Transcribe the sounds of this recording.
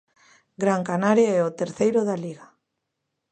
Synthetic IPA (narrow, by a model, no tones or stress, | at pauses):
ɡɾaŋkanaɾjaɛot̪eɾθejɾoðaliɣa